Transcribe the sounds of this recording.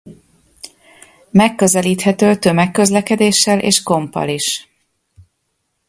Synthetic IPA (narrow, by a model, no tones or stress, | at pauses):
mɛkːøzɛliːt̪hɛt̪øːt̪ømɛkːø̞zlɛkɛd̪eːʃːɛlʔḛːʃko̞mpːɒ̰liʃ